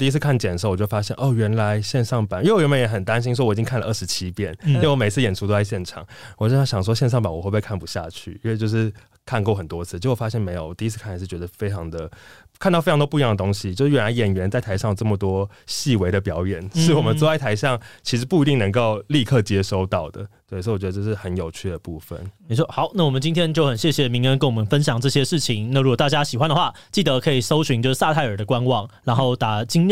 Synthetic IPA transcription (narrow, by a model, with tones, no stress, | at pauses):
t̪i˥˧˥t͡sʰɹ̩˧kʰa˥˩nt͡ɕjɛ˨˩nʂ̬o˥˩˨wɔ˨˩t͡ɕo˥˩fa˥ɕjɛ˥˧nʔo˥˩ɥɛ˧˥nla˧˦ɪɕjɛ˥˧nʂɑ˥˩ŋpa˨˩n˥˨˥ɥɛ˧˥mpə˧˥njɛ˧˥xə˨˩nt̪a˦nɕ̬i˥nʂ̬wɔ˥wɔ˨˩i˨t͡ɕi˦ŋkʰa˥˩nlə˩ʔə˥˩ʂɻ̩˧˥t͡ɕʰi˦˥pjɛ˥˩n˥˧˥wɔ˥˩me˨˩ɪt͡sʰɹ̩˥˩jɛ˨˩nʈ͡ʂʰu˥t̪o˥ʊa˥˧ɪɕjɛ˥˩nʈ͡ʂʰɑ̰˨˩ŋwɔ˨˩t͡ɕo˥˩˥ɕjɑ˨ŋʂ̬wɔ˥ɕjɛ˥˧nʂ̬ɑ˥˩ŋpa˨˦nwɔ˨˩xwe˥˧pe˥˧ɪkʰa˥˩npu˧˥ɕja̰˥˧t͡ɕʰy̰˥˩i˥nwe˥˧˩t͡ɕo˥˧ʊʂɻ̩˥˩ | kʰa˥˧nko˥˩ʊxə˨˩nt̪wɔ˦˥t͡sʰɹ̩˥˩t͡ɕo˧˥˩wɔ˨˩fa˥ɕjɛ˥˩nme˧˥o˨˩˦wɔ˨˩t̪i˥˧˥t͡sʰɹ̩˥kʰa˥˩nʰ˩˨˧ʂ̩˥˩t͡ɕɥɛ˧˥d̪ə˧fe˥ɪʈ͡ʂʰɑ˧˥ŋd̪ə˨ | kʰa˥˧t̪ɑ˥˩fɑ˧t̪wɔ˥pu˧jɑ˥˩d̪ə˩t̪o˥ŋɕi˨t͡ɕjo˥˧ʂɻ̩˥˩ɥɛ˨˩nla˧˥ɪjɛ˨˩nɥɛ˧˥nt͡sa˥˩ɪt̪ʰa˧˥ɪʂɑ˥˩ŋ˩ʈ͡ʂə˥˩mə˩t̪wɔ˥ɕi˥˩we˧˥ɪd̪ə˨pjɑ˧˥ʊjɛ˨˩nʂɻ̩˥˩wɔ˨˩mə˨˦nt͡sɔ˥˧wa˥˩t̪ʰa˧˥ɪɕɑ˥˩ŋt͡ɕʰi˧˥ʂɻ̩˧˥pu˥˩i˧t̪i˥˩ŋnə˧˥ŋko˥˧ʊli˥˧kʰɤ˥˩t͡ɕjɛ˥ʂo˥ʊt̪ɑ˥˩ʊd̪ə̰˩we˥˩˨swt͡ɕɥɛ˧˥ə˧ʈ͡ʂʂɻ̩˥˩xə˧˦njo˨˩ʊt͡ɕʰy˥˩d̪ə˩pu˥˩fə̰˨˩nni˨˩wɔ˥xɑ˨˩˦ʊna˥˩wɔ˨˩mə˨nt͡ɕi˥nt̪ʰjɛ˥nt͡ɕjo˥˩ʊxə˨˩nɕjɛ˥˩ɕjɛ˨˩mi˧˥ŋə˧˥nkə˥nwɔ˨˩mə˧˦nfə˦nɕ̬jɑ˨˩ŋʈ͡ʂɤ˥˩ɕjɛ˥ʂɻ̩˥˩t͡ɕʰi˧˦ŋna˥˩ɻu˧˥kwɔ˨˩t̪a˥˧t͡ɕja˦˥ɕi˨˩xwa˦nd̪ə˨xwa˥˩ | t͡ɕi˥˩d̪ə˧˦kʰɤ˧˥i˨˩so˥ʊɕy˧˥ŋt͡ɕo˥˧ʊʂɻ̩˥˩sa˥˧t̪ʰa˥˩ɪə˞˨˩d̪ə˦kwa˦˥nwɑ˥˩ŋɻa˧˥nxo˥˩ʊt̪a˨˩t͡ɕi˥ŋ˥